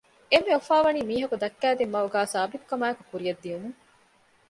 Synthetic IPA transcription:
emːeofaːʋɐniːmiːɦɐkud̪ɐkːæːd̪emːɐuɡaːsaːbit̪u̥kɐmaːekukuɾijɐd̪ːijenuŋ

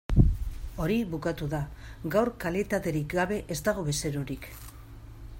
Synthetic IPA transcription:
o̞ɾiβukat̪uðaɡawɾkalit̪at̪e̞ɾikɡaβe̞ʔezt̪aɣ̞o̞βe̞se̞ɾo̞ɾik

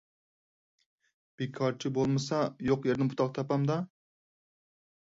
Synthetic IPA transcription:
b̥ekʰɑɾt͡ʃʰɪbolˠmɨsɑjoqjeɾd̪ɪnbuʊt̪ʰɑqt̪ʰɑpɑmd̪ɑ

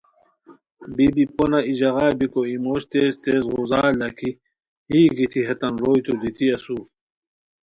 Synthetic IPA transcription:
bibiponaid͡ʑɐɣaːbikoimoːɕt̪eːst̪eːsʁuzaːlːɐkʰi | hiːɡit̪ʰiɦɐt̪ɐnɾoːjt̪ud̪it̪ʰiɐsu

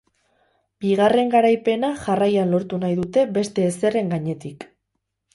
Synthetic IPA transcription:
b̥iɣ̞are̞ŋɡaɾajpe̞naʝarajanlo̞ɾt̪unajðut̪e̞be̞st̪e̞ːse̞re̞ŋɡaɲe̞t̪ik

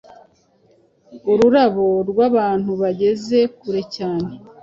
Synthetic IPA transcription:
uɾuɾaβo̞ɾɡwaβaːn̥huβaɟe̞ze̞kuɾe̞caːne̞

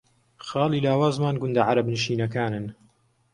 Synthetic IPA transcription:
xɑːliːlaːwaːzmaːnɡʊnd̪ɐʕaɾɐbnɨʃiːnɐkaːnɨn

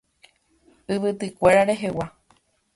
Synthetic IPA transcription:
ɨʋɨt̪ɨkʷe̞ɾaɾe̞ɦe̞wa

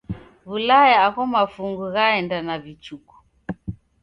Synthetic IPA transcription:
βulajaaɣɔmafuŋɡuɣaɛndanavit͡ʃuku̥

